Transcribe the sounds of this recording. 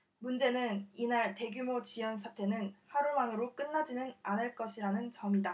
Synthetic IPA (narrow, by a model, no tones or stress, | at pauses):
mund͡ʑe̞nɯninaɭte̞ɡjumot͡ɕijʌns̬ʰatʰe̞nɯnhaɾuɭmaŋɯɾok͈ɯnːad͡ʑinɯnanɯɭk͈ʌɕʰiɾanɯnt͡ɕʌmida